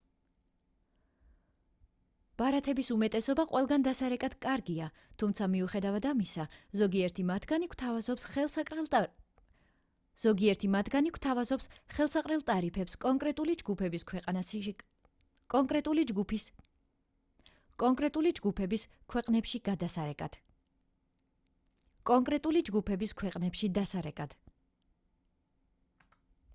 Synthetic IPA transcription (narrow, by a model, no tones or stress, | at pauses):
b̥aɾat̪ʰɛbisumɛt̪ʼɛsɔbaqʼwʔɛlˠɡand̪asaɾɛkʼad̪̥kʼaɾɡia | t̪ʰumt̪sʰamiuχɛd̪avad̪amisazɔɡiɛɾt̪ʰimat̪ʰɡanikʰt̪ʰavazɔps | z̥ɔɡiɛɾt̪ʰimat̪ʰɡanikʰt̪ʰavazɔpsχɛlˠsaqʼɾɛlˠt̪ʼaɾipʰɛpskʼɔŋkʼɾɛt̪ʼulid͡ʒɡupʰɛbiskʰwɛqʼn | kʼɔŋkʼɾɛt̪ʼuliɡupi | kʼɔŋkʼɾɛt̪ʼulid͡ʒɡupʰɛbis | kʰwɛqʼnɛpʃiɡad̪asaɾɛkʼad̪̥ | kʼɔŋkʼɾɛt̪ʼulid͡ʒɡupʰɛbiskʰwɛqʼnɛpʃid̪asaɾɛkʼad̪̥